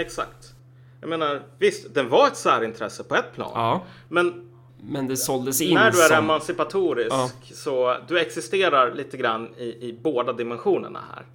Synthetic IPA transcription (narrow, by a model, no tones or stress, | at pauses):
ɛksa̰kt̪ | jɑɡmeːnaɾvɪst̪d̪ɛnvaɾɛt̪sæːɾɪnt̪ʰɾɛsːəpʰɔɛt̪̚ːpʰlɑ̰ːnmɛn | mɛnd̪ɛsɔld̪əsɪnæɖɵæɾɛmansɪpat̪ʰuːɾɪksɔd̪ɵɛksɪst̪eːɾaɾɭiːt̪əɡɾanːɪɪboːd̪ad̪ɪmɛnɧuːnə̰ɳa̰hæ̰ːɾ